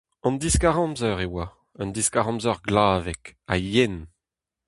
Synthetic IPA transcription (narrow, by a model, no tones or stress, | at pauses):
ɑ̃nd̪iskaʁɑ̃mzœʁewa | ɔnd̪iskaʁɑ̃mzœʁɡlaːvɛka̰jɛn